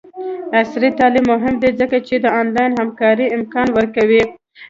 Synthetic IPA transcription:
asɾit̪ɑlimːʊɦɪmd̪ezəkat͡ʃed̪əɑnlɑjnhamkɑɾiɪmkɑnwəɾkawi

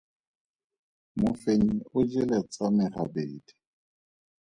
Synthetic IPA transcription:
mʊfeɲiʊd͡ʒɪlet͡sʼamɪra̰beːdi̥

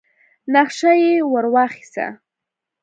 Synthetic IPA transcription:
naχʃajewəɾwaχɪ̥sa̰

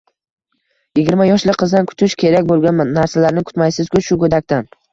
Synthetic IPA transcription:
jɪɡʲɪɾmajɒʃlɪqʰɨzd̪ankʰʊt̪ʰɪʃkʲʰe̞ɾakʲbolˠɡʲanmanːaɾsalaɾnɪkʰʊ̥t̪majsɪzkʰʲʊʃʊkɵd̪akʲt̪an

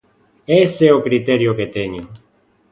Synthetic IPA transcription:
eseokɾit̪eɾjoket̪eɲo

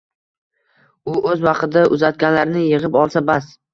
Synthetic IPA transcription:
ʊɵzwɑqɨd̪aʔʊzat̪̚ɡʲanlaɾnɪjɪʁɨpɒlˠsabas

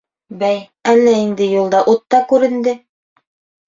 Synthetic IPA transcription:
bæj | ælːæind̪ɘjulˠd̪ɑʔut̪ːɑkʉɾɘ̆nd̪ɘ

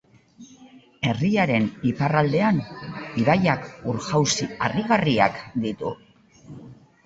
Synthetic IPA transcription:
e̞riaɾe̞niparald̪e̞aniβajakuɾxawsiariɣaria̰kd̪it̪ṵ

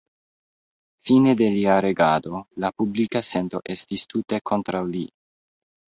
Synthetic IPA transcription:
fine̞de̞liaɾe̞ɡado̞lapublikase̞nto̞ʔe̞stistʰute̞kʰo̞ntɾawli

